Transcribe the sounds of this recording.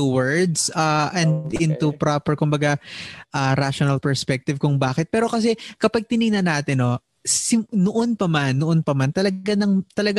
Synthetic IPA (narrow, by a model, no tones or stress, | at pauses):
uwɛɹd̪saʔɐ̃nd̪ɪnt̪upɾapɛɹkʊmbɐɡaʔaːɾaʃonɐlpɛɹspɛk̚t̪ɪvkʊŋbaːkɪt̪̚pɛːɾo̞kɐsɛkɐpɐɡ̚t̪ɪnɪɡ̚nɐnaːt̪ɪnːo̞ | sɪmnoʔonpɐmanːoʔonpɐmant̪ɐlɐɡanɐŋt̪ɐlɐɡ